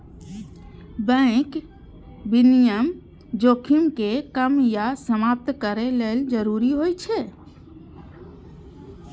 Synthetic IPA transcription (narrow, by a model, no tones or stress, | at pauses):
bə̃ɪk | binijəm | d͡ʒokʰimkekəmjasəmap̚t̪kəɾeleld͡ʒəɾuɾiɦojt͡ʃʰe